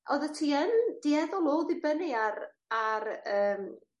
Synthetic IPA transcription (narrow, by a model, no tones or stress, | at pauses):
ʔɔðətʰiːənd̥iɛðɔlˠoːðɪbənɪaɾ | arəːm